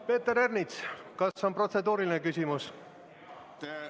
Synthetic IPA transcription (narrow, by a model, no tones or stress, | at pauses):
pe̞ːt̪ːeɾernit̪skɑsso̞npro̞t̪se̞d̪uːɾilinekysʲimus